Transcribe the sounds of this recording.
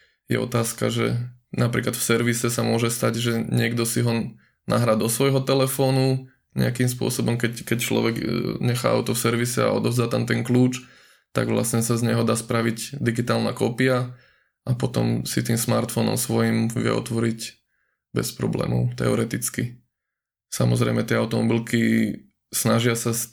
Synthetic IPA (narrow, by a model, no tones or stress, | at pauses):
jɛ̰ʔɔt̪aːska̰ʒɛ̰napɾiːklat̪fsɛɾʋisɛsamʊɔʒɛst̪aɟʒɛɲɪɛɡd̪ɔsiɦɔ | nʔa̰ɦɾad̪ɔsʋɔjɦɔt̪ɛlɛfɔːnu | ɲɛ̰akimspʊɔsɔbɔmkɛckɛct͡ʃlɔ̰ʋɛɡɲɛxa̰ːʔa̰ʊt̪ɔfsɛɾʋisɛa̰ɔd̪ɔvzd̪aːt̪amt̪ɛŋkluːt͡ʃ | t̪a̰ɡʋla̰sɲɛsazɲɛɦɔd̪aːspɾaʋiɟd̪iɡit̪aːlna̰kɔpia | ʔapɔt̪ɔ̰msit̪iːmsmaɾt̪fɔnɔ̰msʋɔjimʋɪɛ̰ʔɔ̰t̪ʋɔɾic | bɛspɾɔ̰blɛ̰ːmɔ̰ʊt̪ɛ̰ɔɾɛt̪it͡ski | samɔzɾɛjmɛt̪ɪɛaʊt̪ɔmɔbilki | snaʒɪasa